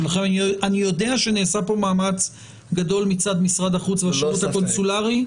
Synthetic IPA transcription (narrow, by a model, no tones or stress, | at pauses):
elaχemanianijo̞de̞aʃeneːsapo̞maːmat͡s | ɡad̪o̞lmit͡sad̪misʁad̪aχut͡sveaʃuvut̪ako̞nsulaʁi